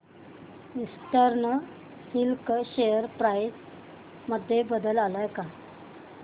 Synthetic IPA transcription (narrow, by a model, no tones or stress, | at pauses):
ist̪əɾɳə | silkɕejəɾpɾajs | məd̪ʱːjebəd̪əlalajka